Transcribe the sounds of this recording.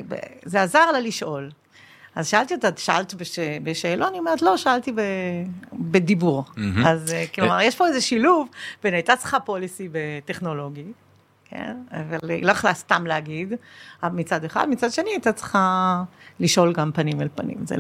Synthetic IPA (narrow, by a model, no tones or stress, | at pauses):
bḛzeazaʁlaliʃʔo̞l | ʔazʃaalt̪iat̪aʃaa̰lt̪ibeʃebeʃeːloaniomeʁt̪lo̞ʃaalt̪ibe | bedibuʁazkloma̰ʁjeʃpo̞ezeʃiluvbenajt̪at͡sχapo̞lisibeteχno̞lo̞ɡi | kʰḛnavalloaχlast̪amleaɡid̪avalmit͡sad̪eχa̰d̪mit͡sadʃe̞niat̪at͡sχa | liʃʔo̞lɡampanimelpanḭmzḛ